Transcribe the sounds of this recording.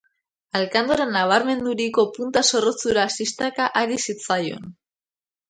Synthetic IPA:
alkand̪oɾenːaβ̞aɾme̞nd̪uɾiko̞punt̪aso̞rot͡suɾaːsist̪akaʔaɾisit͡sajo̞̰n

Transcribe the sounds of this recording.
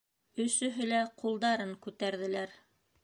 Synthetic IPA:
ɵ̆sɵ̆ɦɵlæqulˠd̪ɑɾɤŋkʉt̪æɾðɘ̆læɾ

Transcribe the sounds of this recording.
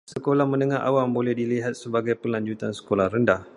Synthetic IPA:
səkolahmə̃nəŋaɦʔa̰wambolɛhdiliɦat̪̚səbaɡajpəlaɲd͡ʒut̪ansə̥kolahrəndah

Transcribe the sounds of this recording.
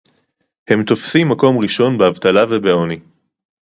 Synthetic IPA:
he̞mt̪o̞fsimːako̞mʁiʃo̞nbeavt̪alavebeoni

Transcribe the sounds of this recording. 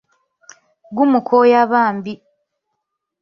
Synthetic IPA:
ɡumukʰojaβaːmbi

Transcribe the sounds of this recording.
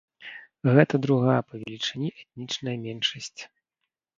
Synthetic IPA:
ɣɛt̪ɐd̪ɾuɣajɐpɐvʲɛlʲit͡ʂɛnʲiʔɛt̪̚nʲit͡ʂnɐjɐmʲɛnʂɐsʲt͡sʲ

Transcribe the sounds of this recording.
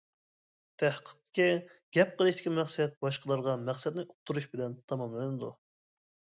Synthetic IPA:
t̪ʰæhqʰə̥qt̪kʲiɡ̥ʲɛp̚qəlˠɨʃt̪ɪ̥kʲimɛχsɛt̪̚bɑʃqʰəlˠɑɾʁɑmæχsɛd̪nɪʔuq̚t̪ʰuɾuʃbɪlɛnt̪ʰɑmɑmlɨnɨd̪u

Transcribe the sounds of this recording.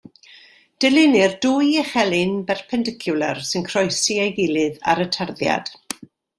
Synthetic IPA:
d̥ɛlˠɪnɪrduːjəχɛlɨnbɛrpʰɛndɪkʰjʊlˠərsɨnkʰrɔjsiejɡɪlˠɨða̰ɾətʰarðja̰d̥

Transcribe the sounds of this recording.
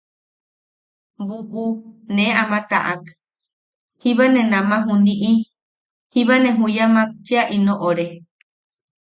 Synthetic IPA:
buʔuneamãt̪a̰ʔak | hiβanẽnãmãɦũnĩʔi | hiβanẽɦũjamãt͡ʃiaʔinõʔoɾe

